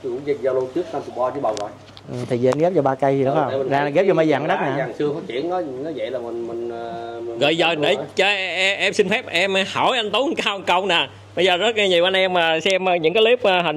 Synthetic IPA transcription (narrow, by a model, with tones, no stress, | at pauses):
kʊ̰˧˥˦ŋ͡mzə˧za˧wlo˧t͡ɕɨ˦˥ək̚naː˧mt̪ʰi˨˩waː˧t͡ɕi˧˦ɓa˨˩wŋa˨˩j | ʔɨ˨˩t̪ʰi˨˩zi˨ʔa˨˧nɣɛ˦˥p̚t͡ɕɔ˧ɓaː˧ka˧jzi˨˩ɗɨ̰˨˦ə˧˨˦zaː˧a˨ɣɛ˦˥t͡ɕɔ˧ma˧jzaː˨˩ŋ˦ɗa˦˥k̚naː˨aː˨˩ŋsɨ˧əfɔ˨˦t͡ɕḭ˧˨˥ənɔ˨˦nɔ˨˦jzə̰˧˨laː˨˩mï˨˩ŋmï˨˩ŋ̟ː˨˩mi˨˩ɣə̰ː˧˨jzəː˨˩ɗe˧˩t͡ɕɔ˧ʔɛ˧msi˧nfɛ˦˥p̚ʔɛ˧m˧ha˧˩wjʔa˧n̟t̪o˨˦˨ŋkaː˧wə˨˩nkə˧wŋ͡mnaː˨˩ | ɓə˧jzəː˨˩zə˦˥t̚ɲi˨˩wʔa˧nʔɛ˧mːaː˨˩sɛ˧mː˧ɲɨ̰˧˥ŋkaː˨˦li˦˥p̚ːɦə˨˩